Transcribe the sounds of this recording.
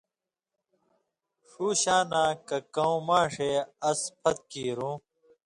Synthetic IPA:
ʂuːɕaːnaːkɐkɐũmaːʂeːɐspʰɐt̪̚kiːɾũː

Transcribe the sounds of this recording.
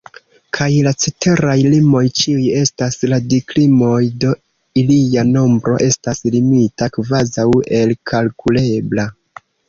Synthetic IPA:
kʰajlat͡sete̞ɾajlimo̞jt͡ʃiuje̞stasladiklimo̞jdo̞ | ilijano̞mbɾo̞̰ʔe̞staslimitakvazawe̞lkʰalkule̞bla

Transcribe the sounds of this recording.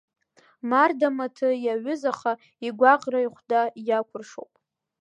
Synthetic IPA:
mardamatʰɨjaɥʊzaχa | iɡʷaqʼraiχʷdajakʷʰʊrʂowpʼ

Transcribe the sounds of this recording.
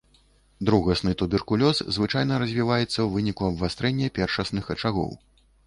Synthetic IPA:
d̪ɾuɣɐsnɨt̪ubʲɛrkulʲɔszvɨt͡ʂajn̪ɐɾɐzʲvʲivajɛt̪sːɐwvɨnʲikuɐbvast̪ɾɛnʲːɐpʲɛrʂɐsnɨxɐt͡ʂaɣɔ̰w

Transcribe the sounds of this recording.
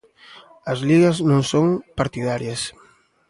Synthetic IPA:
ɐzliɣɐznõŋsoŋpaɾt̪iðaɾjɐs

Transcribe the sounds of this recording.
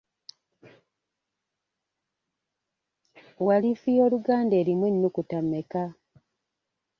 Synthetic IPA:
walifijo̞ːluɡaːnde̞ːɾimwenːukutameka

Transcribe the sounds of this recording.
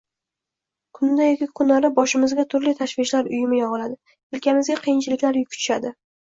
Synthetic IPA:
kʰʊnd̪ajokʲɪkʰʊnaɾɪbɒʃɪmɪzɡʲat̪ʰʊɾlɪt̪ʰaʃvɪʃlaɾʊjɪmɪjɒʁɨlad̪ɪ | ɪlkʲʰamɪzɡʲaqʰijɪnt͡ʃʰɪlɪkʲlaɾjʊkʲʰʊ̥t͡ʃ̪ʰɪ̥ʃad̪ɪ

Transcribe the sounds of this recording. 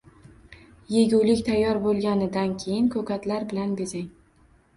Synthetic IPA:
jeɡʲuwlɪkʲt̪ʰajːɒɾbolˠɡʲanɪd̪ankʲʰejɪnkʰɵkʲat̪laɾbɪlanbezaŋ

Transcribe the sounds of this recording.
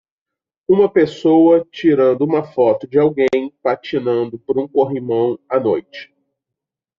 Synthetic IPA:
ũmɐpesowɐt͡ʃiɾɐ̃nd̪ʊũmɐfɔt̪ʊd͡ʒɪawɡẽj̃pat͡ʃinɐ̃nd̪ʊpoɾũkoɦimɐ̃w̃anojt͡ʃɪ̥

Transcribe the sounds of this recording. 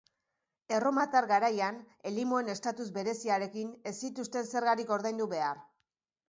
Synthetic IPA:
e̞ro̞mat̪aɾɣaɾajan | e̞limoe̞ne̞st̪at̪uzbe̞ɾe̞siaɾe̞kine̞sit̪ust̪e̞nse̞ɾɣaɾiko̞ɾðajnd̪uβe̞aɾ

